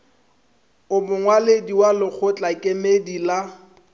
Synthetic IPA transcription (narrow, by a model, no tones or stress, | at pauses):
ʊmʊŋwalediwalɪk͡xʰʊt͡ɬʼakʼemedila